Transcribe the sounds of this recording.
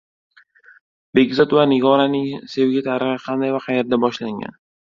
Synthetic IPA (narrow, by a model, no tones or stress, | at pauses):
be̞ɡʲzɒt̪vanɪɡɒɾanɪŋse̞vɡʲat̪ʰaɾɨχɨqʰɑnd̪ajvaqʰɑje̞ɾd̪abɒʃlaŋɡʲa̰n